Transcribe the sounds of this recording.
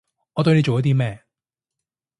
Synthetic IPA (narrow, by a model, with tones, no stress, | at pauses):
ɔː˨˧t̪ɵ˧jle˨˧jt͡ʃo˨wjɐ˥t̪i˥mɛː˥˧